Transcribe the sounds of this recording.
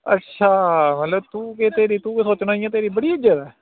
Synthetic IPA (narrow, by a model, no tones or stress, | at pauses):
ə̰tːʃʰaːmɛt̪ləbt̪ũːket̪eːɾiːt̪ũːkeːsoːt͡ʃnaːijãːt̪̬eːɾiːbəɽiːɪd͡ʒət̪ɛː